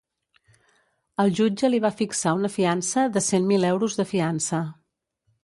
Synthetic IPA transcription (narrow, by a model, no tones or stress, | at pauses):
əlˠʒud͡ʒəliβ̞afiksaunəfiansəðəsemmilɛwɾuzðəfiansə